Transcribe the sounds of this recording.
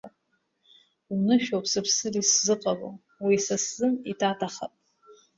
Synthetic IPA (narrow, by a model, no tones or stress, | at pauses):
a | unɨʃᶣopʼʰsɨpʰsɨliszɨqʼalo̰ | wisaszɨnitʰatʰaχa̰pʼ